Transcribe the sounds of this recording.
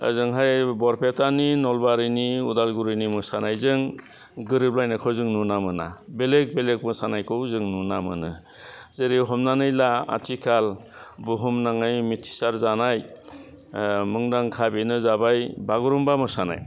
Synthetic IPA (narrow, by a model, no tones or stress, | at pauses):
zɯŋɦajbɔɾpʰetʰaninɔlbaɾɯniudalɡuɾɯjnimɯsanajzɯŋ | ɡɯɾɯp̚lajnakʰɔwzɯŋnunamɯna̰belek̚belek̚mɯsanajkʰɯwzɯŋnunamɯ̰nɯ | zeɾiɦɔmnanɯjlaa̰tʰikʰal | buɦumnaŋajmitʰi̥saɾzanaj | mɯŋdaŋkʰabinɯzabajbaɡuɾumbamɯsana̰j